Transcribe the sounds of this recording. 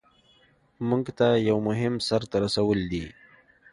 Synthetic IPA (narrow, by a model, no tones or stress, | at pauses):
muŋɡt̪ajawmʊɦɪmsaɾt̪aɾasawəld̪i